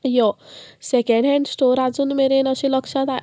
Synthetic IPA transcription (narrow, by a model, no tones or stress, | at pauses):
jɔsekeɳɖɦẽɳɖsʈoɾad͡zunmeɾenʌsilʌksʰãt̪a